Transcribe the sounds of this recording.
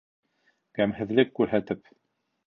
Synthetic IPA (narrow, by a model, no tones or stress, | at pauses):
kæmhɘ̆ðlɘkːʉɾɦæt̪ɘp